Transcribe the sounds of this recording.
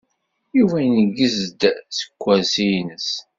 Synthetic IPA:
juvæjnəɡːəzd̪sə̥kʷːæsijnəs

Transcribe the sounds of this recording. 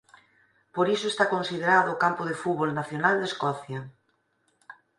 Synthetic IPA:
poɾisoest̪akonsið̞eɾaðʊːkampoð̞efuβolnaθjonald̪eskɔθja

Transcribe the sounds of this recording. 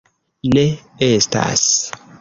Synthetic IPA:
ne | esta̰s

